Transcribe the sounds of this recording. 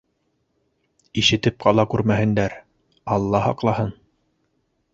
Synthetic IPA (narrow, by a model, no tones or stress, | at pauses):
iʃɘ̆t̪ɘp̚qɑlˠɑkʉɾmæɦɘ̆nd̪æɾ | ɑlˠːɑhɑ̰qlˠɑhɤn